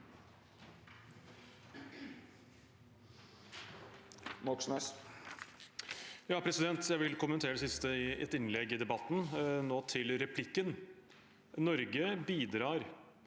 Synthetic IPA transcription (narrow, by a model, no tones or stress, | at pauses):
mɔksmɛs | jɑːpʰɾɛsɪd̪ɛnt̪ʰjæɪʋɪlkʊmənt̪ʰeːɾəd̪ɛsɪst̪əɪɛ̰t̪ɪnlɛɡːɪd̪ɛbɑt̪ːn̩noːt̪ʰɪlɾɛpʰlɪkːən | nɔɾɡəbiːd̪ɾɑːɾ